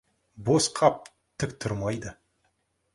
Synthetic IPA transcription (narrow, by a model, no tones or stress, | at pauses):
bosqʰɑp̚ | t̪ʰɪkt̪ʰʊɾmɑjd̪ə